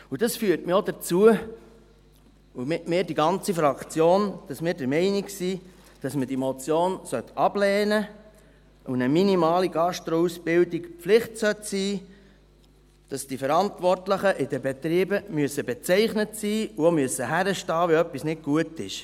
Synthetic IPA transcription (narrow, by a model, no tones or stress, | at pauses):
ud̥ɑsfyəɾtmɪodət͡suə | umɪtmɪːɾdiɡɑnt͡sifɾɑkt͡sjoːnd̥ɑsmɪːɾdəɾmɛɪniksiː | d̥ɑsmədimot͡sjoːnsœt̪ɑblɛːnə | unəminimɑːliɡɑʃtɾousbɪldikflɪχtsœtsiː | d̥ɑsd̥ifəɾɑntʋɔrtləχəʔɪdəbɛtɾiːbəmyəsəbɛt͡sɛɪχnətsiːuomyəsːəhæɾəʃtɑːʋɛœpːisnɪk̚ɡ̥uətɪʃ